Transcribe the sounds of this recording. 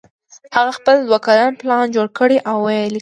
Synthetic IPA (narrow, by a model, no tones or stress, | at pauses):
haɣaxpəld̪wakaɾɑnplɑnd͡ʒoɽkəɽeʔawːajli